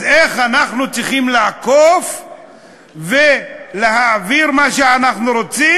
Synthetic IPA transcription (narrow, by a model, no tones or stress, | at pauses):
eχanaχnut͡siχimleakof | veleɦaːviɾmaʃeanaχnuɾo̞t͡si